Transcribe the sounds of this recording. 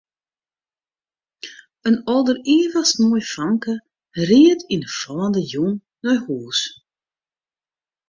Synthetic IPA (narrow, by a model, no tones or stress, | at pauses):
ənɔlˠdəriːvəsmuːjfaŋkə | riətinəfɔːndəjuŋ | nɔjhuːs